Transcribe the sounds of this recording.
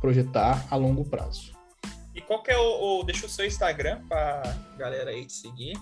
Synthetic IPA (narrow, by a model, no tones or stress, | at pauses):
pɾoʒet̪aɾalõŋɡʊpɾa̰z̥ʊ̥ | ɪkʷwawkɪɛʊːd̪eʃʊʊsewĩst̪aɡɾɐ̃pɾɐɡalɛɾɐid͡ʒɪ̥seɡi